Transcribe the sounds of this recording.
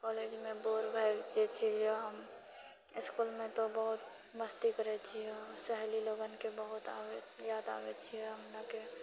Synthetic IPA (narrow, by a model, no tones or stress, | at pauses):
kɔːleːd͡ʒmẽboːɾbʱajd͡ʒet͡ʃʰid͡ʒoɦəm | ɪskuːlmẽt̪obəɦʊt̪ | məst̪ikəɾet͡ʃʰiesɛɦliloːɡənkebəɦʊt̪a̰ːwejaːd̪a̰ːwet͡ʃʰiɛɦəmnake